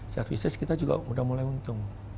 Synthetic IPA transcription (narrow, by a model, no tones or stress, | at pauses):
sərvisəskit̪ad͡ʒuɡa̰mudahmulajunt̪ʊŋ